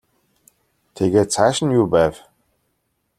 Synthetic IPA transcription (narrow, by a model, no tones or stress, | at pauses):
t̪ʰeɣeːt̪̚t͡sʰæːʃə̆njuːpæːw